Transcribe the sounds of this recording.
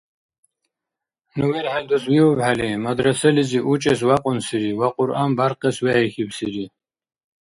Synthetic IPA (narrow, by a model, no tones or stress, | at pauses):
nuwɛlħald̪uswiwɔbħalimad̪ɾɐsɐliziʔut͡ʃʼɛs̬waqʼʊnsiɾiwaqʼʊɾʔaːmbaɾqɛswɛɛxibsiɾi